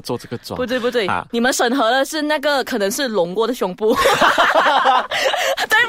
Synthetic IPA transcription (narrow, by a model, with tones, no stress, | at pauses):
t͡swɔ˥˧ʈ͡ʂɡə˩t͡sw̰pu˧t̪we˥˩ɪpu˥˧t̪we˥˩ɪ˩ni˨˩mə˦nʂə˨˩nxɤ˧˥lə˧ʂɻ̩˥˩na˥˩ɡə˩kʰɤ˨˩nɤ˧˥ŋʂɻ̩˥˩lʊ˧˥ŋkwɔ˥˧d̪ə˩ɕjʊ˧˩ŋpu˥˨ | t̪a˥˩